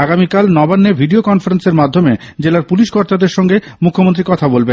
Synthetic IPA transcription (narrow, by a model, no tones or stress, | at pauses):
aɡamikalnɔbanːebʱiɖiokɔnfaɾenseɾmad̪ʱːomed͡ʑelaɾpuliʃkɔɾt̪ad̪eɾʃɔŋɡemukʰːomont̪ɾikɔt̪ʰabolben